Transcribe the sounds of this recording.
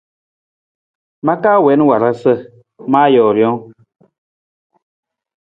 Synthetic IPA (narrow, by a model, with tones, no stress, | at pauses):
ma˦kaː˦wɛ˨˦n˦wa˨ɾa˦sə˦ | maː˦jɔː˨ɾjɔ˦ŋ